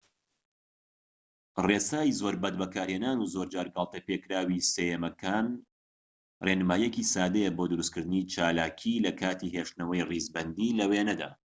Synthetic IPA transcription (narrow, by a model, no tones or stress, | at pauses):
reːsaːjizoːɾbɐd̪̚bɐkaːɾheːnaːnuzoɾd͡ʒaːɾɡɐlˠt̪ɐpekɾaːwisɐjemɐkʰaːn | renɨmaːjɛkisaːd̪ejeboːd̪uɾuskɨɾd̪ɨnit͡ʃaːlaːkʰilɐkʰaːt̪iɦeːʃt̪nɐwɐjrizbɐnd̪iːlɐweːnɐd̪a̰ː